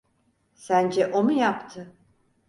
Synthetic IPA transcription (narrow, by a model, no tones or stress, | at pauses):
sænd͡ʒɛʔo̞mujapt̪ʰɯ